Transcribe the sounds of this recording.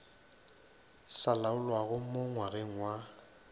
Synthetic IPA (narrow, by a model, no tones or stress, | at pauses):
salaʊlwaɣʊmoŋwaɣeŋ̩wa